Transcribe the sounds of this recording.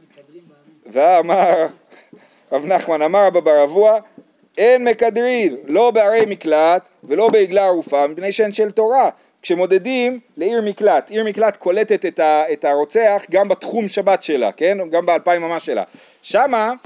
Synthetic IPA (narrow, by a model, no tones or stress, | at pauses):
vaːmaʁ | ʁavnaχmanamaʁababaʁavua | enme̞kad̪ʁillo̞beaɾe̞jmiklat̪ | ve̞lo̞be̞iɡlaːʁufamipne̞jʃenʃelt̪o̞ʁa | kʃe̞mo̞d̪e̞dimle̞iʁmiklat̪iʁmiklat̪kʰo̞le̞t̪et̪et̪aet̪aʁo̞t͡seaχɡambat̪χumʃabatʃe̞la̰ke̞nɡambealpaimamaʃela̰ | ʃama